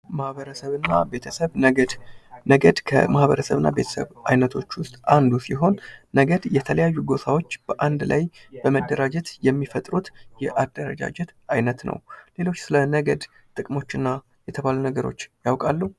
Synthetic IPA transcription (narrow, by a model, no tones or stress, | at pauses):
mahβəɾəsəβɨnːa̰be̞t̪ʰəsəβnəɡəd̪nəɡəd̪kʰə̰mahβəɾəsəβɨnːa̰be̞t̪ʰəsə̰βajnət̪ʰo̞t͡ʃːwʊst̪ʼand̪usiɦo̞nːəɡəd̪jɛt̪ʰələjajːuɡo̞sʰawo̞t͡ʃːb̥əʔand̪lajbəməd̪ːəɾad͡ʒɛt̪jɛmːifət̪ʼɾut̪jɛʔad̪ːəɾə̰d͡ʒa̰d͡ʒɛt̪ajnət̪nə̰wle̞lo̞t͡ʃːsɨlənəɡəd̪ | t̪ʼɨkʼmo̞t͡ʃːɪnːa | jɛt̪ʰəβalunəɡəɾo̞̰t͡ʃːjawkʼalːu